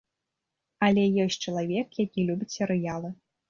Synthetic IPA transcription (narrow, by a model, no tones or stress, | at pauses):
ɐlʲɛjɔsʲt͡ʂɐlˠavʲɛkjakʲilʲubʲisʲɛɾɨjalˠɨ